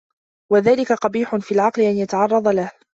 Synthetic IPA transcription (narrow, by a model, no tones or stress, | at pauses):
waðaːlɪkaqɑbiːħʊnfiːlʕɑqlɪʔanjat̪aʕɑrˤːɑðˤɑlah